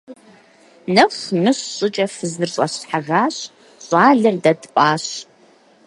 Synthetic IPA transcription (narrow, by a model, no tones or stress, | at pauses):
nɐχʷmɨɕːʼɪt͡ʃʼɐfɨzɨrɕʼa̰ɕħaʁaːɕ | ɕʼaːɮɨrdɐdpʼaːɕ